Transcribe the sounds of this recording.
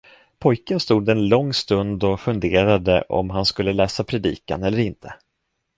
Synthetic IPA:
pʰɔjkənst̪uːd̪ɛnlɔŋːst̪ɵnd̪ɔfɵnd̪eːɾad̪ə̰ʔɔ̰mɦanskɵlːəlɛːsapʰɾɛd̪ḭːka̰nɛlːəɾɪnt̪ʰə̥

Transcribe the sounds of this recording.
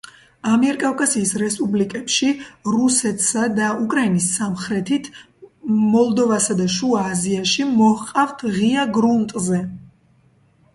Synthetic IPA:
amiɛɾkʼavkʼasiːsɾɛspʼublikʼɛpʃiɾusɛt̪ʰsad̪aukʼɾainisːamχɾɛt̪ʰit̪ʰ | mɔlˠd̪ɔvasad̪aʃuaːziaʃimɔhqʼavt̪ʰʁiaɡɾunt̪ʼzɛ

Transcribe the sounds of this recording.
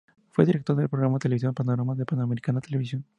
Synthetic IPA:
fweðiɾekt̪o̞ɾðelpɾoɣɾamaðet̪eeisjonpanoɾamaðepanoameɾikanat̪ele̞βisjon

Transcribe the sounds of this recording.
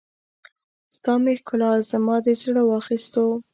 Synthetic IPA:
st̪ɑmehkʊlɑzamɑd̪ezɽawɑxist̪o

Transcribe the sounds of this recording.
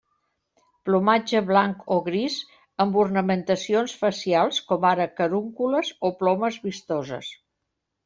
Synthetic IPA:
plumad͡ʒəβlaŋkoɣɾiz | əmburnəmənt̪əsionsfəsialˠskɔmaɾəkəɾuŋkuləzoplɔməzβist̪ɔzə̰s

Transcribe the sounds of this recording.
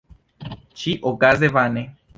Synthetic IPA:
t͡ʃiʔokazeβane

